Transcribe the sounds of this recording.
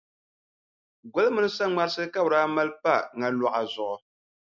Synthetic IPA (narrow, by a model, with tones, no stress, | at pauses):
ɡo˦lmɨ˦nɨ˦sa˦ŋ͡ma˨ɾsɨ˦ka˦bɾaː˦ma˦lpa˦˨ŋa˨lɔ˨ʔa˨zʊ˨ʔʊ˨